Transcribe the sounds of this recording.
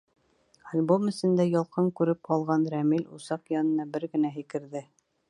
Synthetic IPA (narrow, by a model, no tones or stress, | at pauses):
ɑlʲbomɘ̆sɘ̆nd̪æjɑlˠqɤŋkʉɾɘp̚qɑlˠʁɑnɾæmilʲusɑqjɑnɤ̆nɑbɘɾɡɘ̆næɦɘ̆kɘ̆ɾðɘ